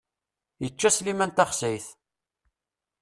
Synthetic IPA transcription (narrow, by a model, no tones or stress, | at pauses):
jət͡ʃːæslimænt̪ɑχsæjθ